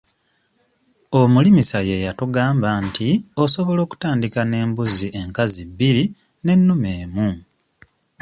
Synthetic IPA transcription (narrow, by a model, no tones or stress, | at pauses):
omulimisaje̞jatuɡaːmbaːntʰio̞so̞βo̞lo̞ːku̥taːndikane̞ːmbuziʔe̞ŋkazibːiɾi | ne̞nːumeːmu